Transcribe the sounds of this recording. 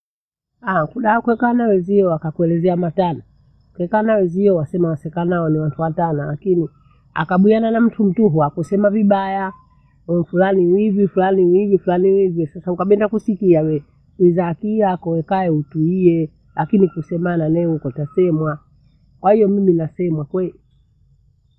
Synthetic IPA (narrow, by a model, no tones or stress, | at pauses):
akuɗaɔkuɛkanawɛziɔwakakuɛlɛzɛamatana | kɛkanawɛziɔwasɛmawasɛkanaɔniwantʰuwatanalakini | a̰kaɓiananam̩tʰum̩tuɦuakusɛmaviɓaja | ɛfulaniwivifulaniwivifulaniwivisasaukaɓɛndakusikiawɛ | izakiakɔwɛkajɛutuiɛ | lakinikusɛmananɛhukɔtasɛmwa | kwahijɔmiminasɛmwakwɛli